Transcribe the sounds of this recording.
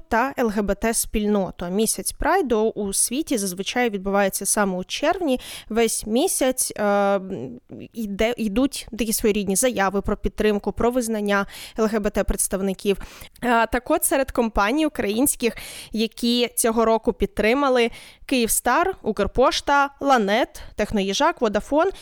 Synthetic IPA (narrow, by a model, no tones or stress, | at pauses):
t̪ɐɛlˠɦɛbɛt̪ɛsʲpʲilʲnɔt̪ʊɐmʲisʲɐt͡sʲpɾɑjd̪ɔʔusʲʋʲitʲizɐzʋɪt͡ʃɑjʊʋʲid̪̚bʊʋɑjet͡sʲːɐsɑmɛut͡ʃɛrʋnʲiʋɛsʲmʲisʲɐt͡sʲ | id̪ɛid̪utʲd̪ɐkʲisʋɔjiɾʲid̪ʲnʲizɐjɑʋɪpɾɔpʲid̪̚t̪ːɾɪmkʊpɾɔʋɪznɐnʲːaɛlˠɣɛbɛt̪ɛpɾet̪st̪ɐʋnɪkʲiwt̪ɐkɔt̪sɛɾed̪kɔmpɑnʲijʊkɾɐjinʲsʲkɪxjɐkʲit͡sʲɔɦɔɾɔkʊpʲid̪̚t̪ːɾɪmɐlˠɪkɪjiwst̪ɑrukɛrpɔʃt̪ɐlˠɐnɛt̪ːɛxnɔjiʒɑkʋɔd̪ɐfɔn